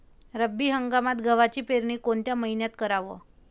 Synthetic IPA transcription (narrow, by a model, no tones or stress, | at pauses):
ɾəbːiːɦəŋɡamat̪ɡʱəʋat͡ɕiːpeɾɳiːkoɳt̪jaməɦinjat̪kəɾaʋə̰